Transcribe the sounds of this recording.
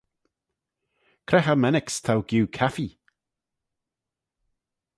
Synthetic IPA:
kʰɾɛxəmɛnɪkst̪ʰawɡ̥juːkʰafi

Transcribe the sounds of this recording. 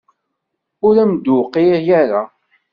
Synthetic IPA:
ʊɾæmd̪uqːijæɾa

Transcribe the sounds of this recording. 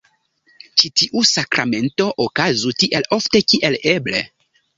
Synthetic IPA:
t͡ʃitiʔusakɾame̞nto̞ʔokazutiʔe̞lo̞fte̞kiʔe̞leble̞̰

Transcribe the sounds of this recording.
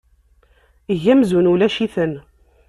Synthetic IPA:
əʝæmzunulæʃiθən

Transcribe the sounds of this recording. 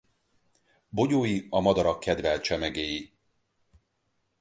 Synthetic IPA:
bo̞ɟoːjiɒmɒd̪ɒɾɒkːɛd̪vɛlt͡ʃɛmɛɡeːji

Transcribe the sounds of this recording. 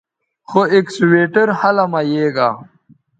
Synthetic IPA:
xoeksweːʈɐɾhɐlɐmɐjeːɡaː

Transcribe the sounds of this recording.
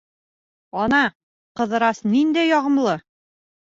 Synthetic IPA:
ɒnɑ | qɤ̆ðɤ̆ɾɑsnind̪æjɒʁɤ̆mlˠɤ

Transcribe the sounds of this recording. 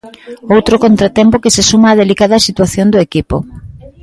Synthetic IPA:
owt̪ɾokont̪ɾat̪ɛmpokesesumaːðelikaðɐsit̪waθjond̪ʊekipo̰

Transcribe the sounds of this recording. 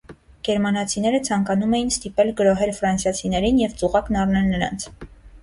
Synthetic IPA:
ɡ̥ɛɾmɑnɑt͡sʰinɛɾət͡sʰɑŋkɑnumɛjinst̪ipɛlɡəɾɔɦɛɾfɾɑnsjɑt͡sʰinɛɾinjɛvt͡suʁɑknɑrnɛlnəɾɑ̰nt͡sʰ

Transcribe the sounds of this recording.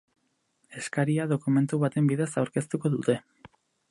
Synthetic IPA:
e̞skaɾiaðo̞kume̞nt̪uβat̪e̞mbiðe̞sawɾke̞st̪uko̞ðut̪e̞

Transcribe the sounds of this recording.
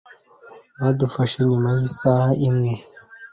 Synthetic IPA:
βadufaʃeɲumajisahaimŋe

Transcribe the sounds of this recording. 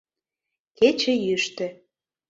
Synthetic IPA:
ket͡ɕə̆jyʃt̪ĕ

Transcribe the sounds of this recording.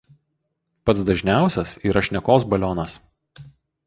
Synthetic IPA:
pɐt̪sd̪ɐʒʲnʲæˑʊsʲɛsiːɾɐʃʲnʲɛkoːsbɐlʲoːnɐs

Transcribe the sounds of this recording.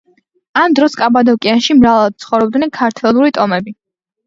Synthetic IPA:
amd̪ɾɔskʼabad̪ɔkʼianʃimɾavad̪̥̚t̪sʰχɔvɾɔb̚d̪nɛnkʰaɾt̪ʰɛlˠuɾit̪ʼɔmɛbi

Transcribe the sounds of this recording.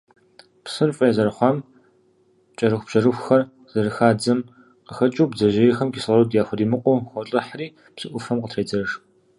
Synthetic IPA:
psɨrfʼɐjzɐrɨχʷɑːm | t͡ʃʼɐɾɨxʷb̥ʒ̥ɐrɨxʷxɐr | z̥ɐrɨxaːd͡zɨm | qəxɐt͡ʃʼuːbzɐʒejɛxɐmkisɐrɐwdjaːxʷɔdiːmɨqʷʼʊːxʷɔɬʼɨħriː | psɨʔʷʊfɐmqətʰreːd͡zɐʂ

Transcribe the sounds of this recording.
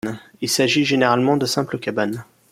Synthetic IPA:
ilsaʒiʒeneʁalmɑ̃d̪əsɛ̃pləkʲaban

